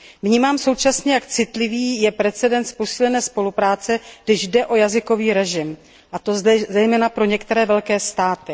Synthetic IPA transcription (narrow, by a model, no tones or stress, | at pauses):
vɲiːmaːmsowt͡ʃasɲɛjakt͡sɪt̪lɪviːjɛpɾɛt͡sɛdɛnspo̞siːlɛnɛːspo̞lupɾaːt͡sɛɡ̥dɪʒdɛʔo̞jazɪko̞viːɾɛʒɪm | ʔat̪o̞zɛzɛjmɛːnapɾo̞ɲɛkt̪ɛɾɛːvɛlkɛːst̪aːt̪ɪ